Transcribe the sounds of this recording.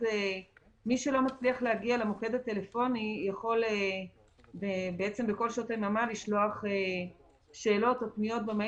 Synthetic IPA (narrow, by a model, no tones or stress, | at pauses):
e | miʃelo̞mat͡sliaχlehaɡialamoke̞d̪at̪e̞lefo̞nijaχo̞le | bebeet͡se̞mbeko̞lʃot̪amamaliʃlo̞aχe | ʃe̞ːlo̞totnijo̞t̪̚beme